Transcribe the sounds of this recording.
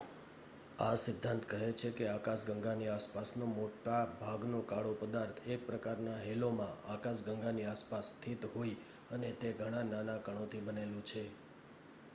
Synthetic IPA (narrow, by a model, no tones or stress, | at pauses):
asɪd̪ʱːãnt̪kəɦet͡ʃʰekeakaʃɡəŋɡaniaspasnomoʈabʱaɡnokaɽopəd̪aɾt̪ʰek̚pɾəkaɾnaɦelomãakaʃɡəŋɡaniaspast̪ʰit̪ɦoi | ənet̪eɡʱəɽ̃ãnanakəɽ̃ot̪ʰibənelũt͡ʃʰe